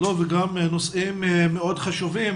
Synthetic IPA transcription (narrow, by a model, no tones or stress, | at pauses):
loveɡamnosimmːeo̞d̪χaʃuvim